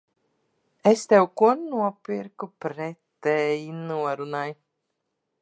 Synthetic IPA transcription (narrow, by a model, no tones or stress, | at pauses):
ɛst̪ɛwkuɔnuɔpiɾkupɾɛt̪ːɛːjinuɔɾunaj